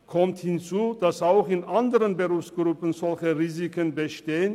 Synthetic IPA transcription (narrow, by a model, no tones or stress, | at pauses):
kʰɔmthɪnt͡suːd̥asaʊxɪnʔandəʁənbəʁuːfsɡ̥ʁʊpən̩zɔlçəʁiːzikənbəʃteːən